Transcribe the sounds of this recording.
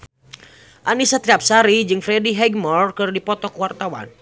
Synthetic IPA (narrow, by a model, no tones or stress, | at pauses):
ʔanisat̪ɾiap̚saɾid͡ʒɨŋfɾɛdiɦɛɡ̚mɔrkɨrdipɔt̪ɔkwart̪awa̰n